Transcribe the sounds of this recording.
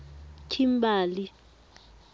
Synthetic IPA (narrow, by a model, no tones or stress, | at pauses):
tʰimbaːli